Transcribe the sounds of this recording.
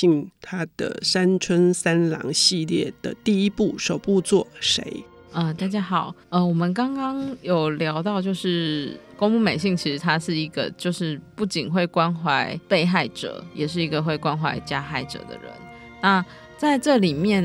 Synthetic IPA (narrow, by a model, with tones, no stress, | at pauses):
i˥˩ŋt̪ʰa˦˥d̪̥ə̰˨sa˦nt͡sʰwə˦˥nsa˦nlɑ̰˧˦˥ŋɕi˥˧ljɛ˥˩d̪̥ə̰˨t̪i˥˧i˦˥pu˥˩ʂo˨˩ʊpu˥˧t͡swɔ˥˩ʂḛ˧˦ɪ | ə˧t̪a˥˩t͡ɕja˥xɑ˨˩˦ʊə˥˧wɔ˨˩mə˦nkɑ˥ŋkɑ˥ŋjo˨˩ʊljɑ˧˥ʊt̪ɑ˥˧ʊt͡ɕjo˥˧ʊʂɻ̩˥˩ko˥ŋpu˥˧me˨˩ɪɕi˥˩ŋt͡ɕʰi˧˥ʂɻ̩˧˥t̪ʰa˥ʂɻ̩˥˩i˧˥ɡə̰˧t͡ɕjo˥˧ʊʂɻ̩˥˧pu˥˩t͡ɕi˨˩nxwe˥˩ɪkwa˥nxwa˧˥ɪpe˥˧ɪxa˥˩ɪʈ͡ʂɤ̰˨˩jɛ˨˩ʂ̬ɻ̩˥˩i˧˥ɡə˨xwe˥˩ɪkwa˥nxwa̰˧˥ɪt͡ɕja˦xa˥˩ɪʈ͡ʂɤ̰˨˩d̪ə̰˦ɻə̰˧˦n | na˥˨ | t͡sa˥˧ɪʈ͡ʂɤ˥˨li˨˩mjɛ˥˨n